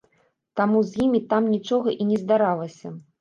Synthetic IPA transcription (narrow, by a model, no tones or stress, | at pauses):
t̪amuzʲjimʲit̪amnʲit͡ʂɔɣɐʔinʲɛzd̪aɾalˠɐsʲɐ